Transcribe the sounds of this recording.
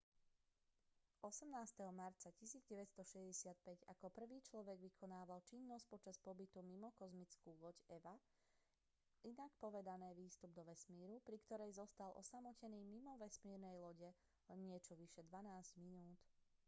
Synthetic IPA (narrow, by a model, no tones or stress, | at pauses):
ʔɔsɛmnaːst̪ɛɦɔmaɾt͡sacisiːd͡zɟɛʋɛcst̪ɔʃɛzɟɛsɪat̪̚pɛɟa̰kɔpr̩ʋiːt͡ʃlɔʋɛɡʋikʰɔnaːʋalt͡ʃinːɔs̚pɔt͡ʃaspɔbit̪umimɔkɔzmit͡skuːlɔcɛʋa | inakpɔʋɛd̪anɛːʋiːst̪ubd̪ɔʋɛsmiːɾupɾikt̪ɔɾɛjzɔst̪alʔɔ̰samɔcɛniːmimɔʋɛsmiːɾnɛjlɔɟɛ | lɛnɲɪɛt͡ʃɔʋiʃɛd̪ʋanaːzɟminuːt̪